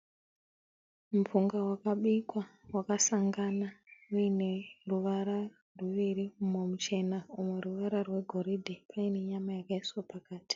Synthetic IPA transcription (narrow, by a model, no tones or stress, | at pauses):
mufuŋɡawakaɓikwawakasaŋɡanauine̞ruʋaɾa | rwuʋiɾiumomut͡ʃe̞naumeruʋaɾarwe̞ɡʱo̞ɾidʱepʰaine̞ɲamajakaiswapakaːti̥